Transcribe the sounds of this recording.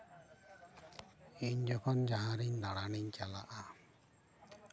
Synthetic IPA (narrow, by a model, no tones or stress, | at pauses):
iɲd͡ʒɔkʰɔnd͡ʒaɦãɾiɲd̪aɽaɽiɲt͡ʃala̰ʔa